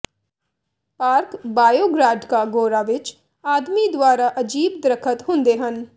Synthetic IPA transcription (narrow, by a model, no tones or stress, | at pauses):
paːɾkbaːjoːɡɾaːɖkaɡoːɾaʋɪt͡ʃ | aːd̪mid̪waːɾaʔəd͡ʒiːb̚d̪ɾəkʰət̪ɦʊ̃nd̪eɦən